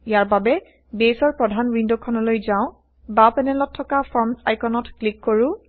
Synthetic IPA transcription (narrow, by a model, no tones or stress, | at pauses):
ijaɹbabɛ | besɔɹpɹɔdʱanwindokʰɔnɔlojzãʊ̃ | bapɛnɛlɔtʰːɔkapʰɔɹmsa̰jkʰɔnɔtklikːoɹʊ̃